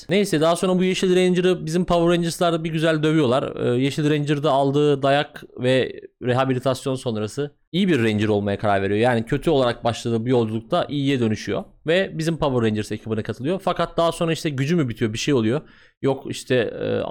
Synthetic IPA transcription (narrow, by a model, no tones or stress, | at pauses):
nejsɛd̪aɦaso̞nɾabujeʃilʲɾɛnd͡ʒiɾibizimpʰavuɾɛnd͡ʒɯɾslˠaɾd̪abiɟyzælʲd̪ø̞vyijo̞lˠaɾɯ̰ːjeʃilʲɾɛnd͡ʒiɾd̪ɛalˠd̪ɯːd̪ajakvɛɾeɦabilʲit̪ʰasjo̞nso̞nɾasɯ | ijibiɾːɛnd͡ʒiɾo̞lˠmajakʰaɾaɾve̞ɾijo̞jaːnicʰø̞t̪ʰyo̞lˠaɾak̚baʃlˠad̪ɯːbujo̞lˠd͡ʒulˠuk̚t̪ʰaʔijijɛd̪ø̞nyʃyjo̰ | vɛbizimpʰavuɾːɛnd͡ʒiɾsecʰibinɯkʰat̪ʰɯlˠɯjofakat̪̚d̪aɦaso̞nɾaiʃt̪ʰɛɟyd͡ʒymybit̪ʰijo̞biʃejo̞lˠujo̞ | jokiʃt̪ʰɛ̰